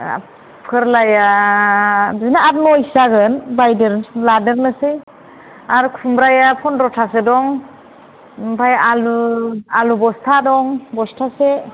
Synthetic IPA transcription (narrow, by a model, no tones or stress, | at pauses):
pʰɯɾlaja | biznaat̚mɔjsaɡɯnbajdeɾladɯɾnɯsɯj | aɾkʰumbɾajapʰɔnɾɔtʰasedɔŋ | pʰajalualubɔstʰadɔŋbɔstʰase